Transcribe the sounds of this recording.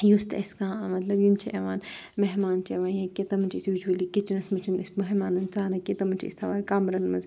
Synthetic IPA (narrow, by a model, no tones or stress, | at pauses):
just̪ʰɐ̰skãːmɐt̪lɐbjimt͡ʃʰiʔeʋaːnmeɦmaːnt͡ʃʰieʋãːnjɐkʲet̪ɐmɐnt͡ʃʰiisʋid͡ʒʋɐlikit͡ʃinɐsmɐt͡ʃʰinismoɦimaːnɐnt͡saːɾɐket̪ɐmɐnt͡ʃʰiḭst̪ʰɐʋaːɾkaːmɾɐnmɐz